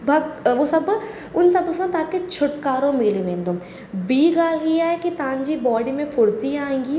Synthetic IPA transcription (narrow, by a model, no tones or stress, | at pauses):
bʱɐɡʋosɐb | ʊnsɐbpɐsə̃nd̪t̪aːket͡ʃʰʊʈkaːɾõmeːlĩʋẽːnd̪õ | biːɡaːlɦijaɛkit̪ãːnd͡ʒibɔːɖimẽfʊɽt̪iaːẽːŋɡiː